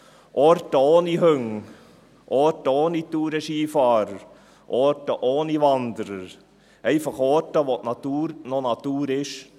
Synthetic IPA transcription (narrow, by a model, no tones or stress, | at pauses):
ʔoːɾtəoːnihœŋ | ʔoːɾtəoːnit̪uːɾɛʃiːfɑːɾəɾ | ʔoːɾtəʔoːniʋɑnd̪əɾəɾ | ɛɪfɑχoːtəʋotnɑt̪uːɾnonɑt̪uːɾɪʃ